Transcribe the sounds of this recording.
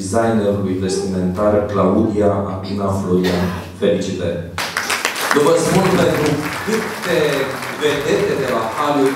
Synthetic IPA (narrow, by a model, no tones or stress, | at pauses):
zajneɾuluinvest̪iment̪aɾklaud̪iaʔakunafloɾian | felit͡ʃit̪e | d̪uvəsəmulpent̪ɾukɨt̪t̪e | ved̪et̪ed̪elakalu